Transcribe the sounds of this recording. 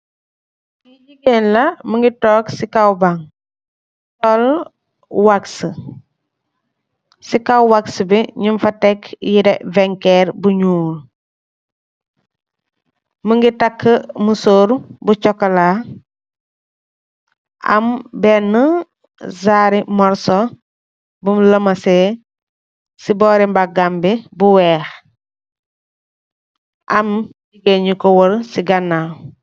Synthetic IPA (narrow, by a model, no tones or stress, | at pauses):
iɟiɡenlɐməŋɡitɔːksikawbaŋ | tɔl | waksə | sikawwaksəbiɲumfɐtɛkjiɾɛvɛŋkɛɾbuɲuːl | məŋɡitɐkʰːəmusoːɾbut͡ʃɔkːɐla | ɐ̰mbɛnːə | zaːɾimɔɾso | bumləmɐse | sibɔːɾimbaɡambibuwɛːx | ʔɐmsiɡeɲikɔwoɾsiɡɐnːal